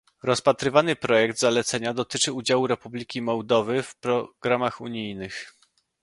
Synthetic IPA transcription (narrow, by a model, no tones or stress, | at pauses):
ɾɔspat̪ɾɘvanɘpɾɔjɛɡd̪zalɛt̪sɛɲad̪ɔt̪ɘt͡ʂɘud͡ʑawuɾɛpublʲikʲimɔwd̪ɔvɘfpɾɔɡ̥ɾamaxuɲijnɘx